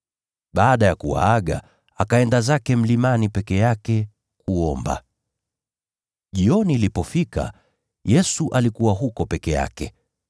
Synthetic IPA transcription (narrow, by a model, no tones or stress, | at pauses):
ɓaːɗajakuwa̰aɠa̰ | akaɛndazakɛm̩limanipɛkɛjakɛ | kuɔmba̰ | ʄiɔniːlipɔfika̰ | jɛsuʔalikuwaɦukɔpɛkɛja̰kɛ